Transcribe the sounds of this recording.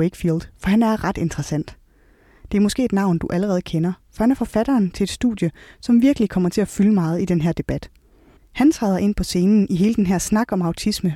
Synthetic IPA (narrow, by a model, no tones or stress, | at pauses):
eɡ̥fiːld̥fɒ̽hænæɐʁɑ̈d̥e̝nd̥ʁɐsæn̰d̥ | d̥e̝æɐmɔ̽sɡ̥e̝̰ːed̥nɑ̈ʊ̰nd̥uʔæləʁɛːð̞̩ˠkʰenɐfɒ̽hænæɐfɒ̽fæɾ̥ɐːnt͡sʰe̝led̥sd̥ṵðˠjəsɒ̽mʋiɐɡ̥əlikʰɒ̽mɐt͡sʰe̝æfyləmɑ̈ːð̞̩ˠid̥enɦeɐ̰d̥e̝b̥æd̥ | hænt͡sʰʁɑːð̞ˠɐʔe̝npʰɒ̽se̝ːnn̩iɦe̝ːləd̥enɦeɐ̰snɑ̈ɡ̥ɒ̽mɑ̈ʊt͡sʰismə